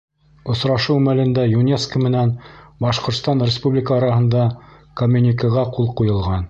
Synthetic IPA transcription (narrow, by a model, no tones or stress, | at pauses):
ŏsɾɑʃɤwmælɘ̆nd̪æjunʲeskəmɘ̆nænbɑʃqŏɾt̪st̪ɑnrʲɪspublʲɪkəːɾɑhɤ̆nd̪ɑkɐmʲːunʲikəʁɑqulˠqujɤ̆lˠʁɑn